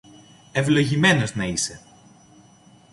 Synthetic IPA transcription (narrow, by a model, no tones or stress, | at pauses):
evlo̞ʝime̞no̞znɐise̞